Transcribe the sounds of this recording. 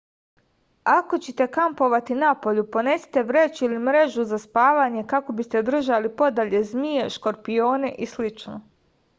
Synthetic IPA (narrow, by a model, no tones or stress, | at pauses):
ako̞t͡ɕet̪e̞kampo̞ʋat̪inapo̞ʎupo̞ne̞ːse̥t̪e̞ʋɾe̞ːt͡ɕilimɾe̞ʒuzaspaːʋaɲe̞kako̞bist̪e̞d̪r̩ʒalipo̞d̪aʎe̞zmie̞ʃko̞ɾpijo̞ːne̞ʔislit͡ʃno